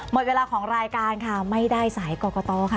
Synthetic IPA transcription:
mo˨˩t̪̚we˧laː˧kʰɔː˩˦ŋɾaː˧jkaː˧nkʰa˥˩ma˥˩jdaː˥˩jsaː˩˦jkɔː˧kɔː˧t̪ɔː˧kʰa˥˩

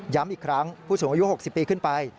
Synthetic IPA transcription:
ja˦˥mʔi˨˩kʰɾa˦˥ŋpʰuː˥˩suː˩˦ŋʔju˦˥ho˨˩k̚si˨˩pːiː˧kʰɯ˥˩npa˧j

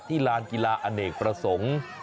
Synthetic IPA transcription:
t̪ʰiː˥˩laː˧nki˧laː˧ʔa˧neː˨˩k̚pɾa˧so˩˦ŋ

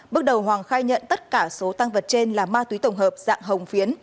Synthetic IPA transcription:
ɓɨ˦˥ək̚ɗə˨˩wɦwaː˨˩ŋxaː˧jɲə̰˧˨nt̪ə˦˥t̚kaː˧˩so˨˦t̪a˧ŋvə˨˩t̚t͡ɕe˧nlaː˨˩maː˧t̪wi˨˦t̪ə˨˩wŋ͡mɦəː˨˩p̚za̰ː˧˨ŋɦə˨˩wŋ͡mfi˨˦ən

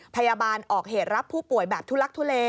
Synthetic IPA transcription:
pʰa˧jaː˧baː˧nʔɔː˨˩k̚heː˨˩t̪̚ɾa˦˥pʰːuː˥˩pu˨˩əjbɛː˨˩p̚t̪ʰu˥˩la˦˥k̚t̪ʰu˧˥˩leː˧

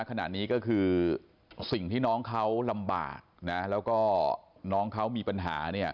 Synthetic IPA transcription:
kʰa˧na̰˨˩t̪̚niː˦˥kɔː˥˩kʰɯː˧ | si˨˩ŋt̪ʰiː˥˩nɔː˦˥ŋkʰa˦˥wla˧mba̰ː˨˩k̚na˦˥lɛː˦˥wkɔː˥˩nɔː˦˥ŋkʰa˦˥wmiː˧pa˧nɦa̰ː˩˦ni˥˩ɐ

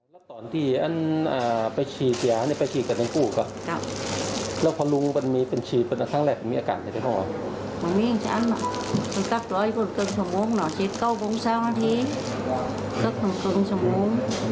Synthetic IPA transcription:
lɛː˦˧˥t̪ɔː˨˦nt̪ʰiː˧˩ʔa˧˥˨nʔaː˨˩˨pa˧jt͡ɕʰiː˧˩ti˧˨a˧˦na˧˩pa˧t͡ɕʰiː˧˩ka˨˧˩na˧nkuː˧˩kɔ˧˩ka˧˩p̚ | lɛː˦˧˩wpʰɔː˧lu˧ŋpa˧˨nmiː˧pe˨nt͡ɕʰiː˧˩pa˧na˧˩tʰa˧˥˩ŋlɛː˧˩k̚a˨nmiː˧ʔːkaː˨˩nʰ˧˩ta˧˩kʰɔː˧˩ŋwaː˧˩ | ma˧˨˩miː˧˨˧t͡ɕʰa˧˨a˧˥na̰˧˨ka˧˩nka˧˥˩p̚t̪u˨˧˦ji˧ko˧˩˨nkːŋsu˧˩moː˧˥˨ŋnɔ˨˩t͡ɕe˧˦t̪̚ka˧˩wko˧˥ŋsaː˧˥wnaː˧t̪ʰiː˧˥ | ka˧˥k̚na˧˩kɤ˧ŋsu˧˩moː˧˥˨ŋ

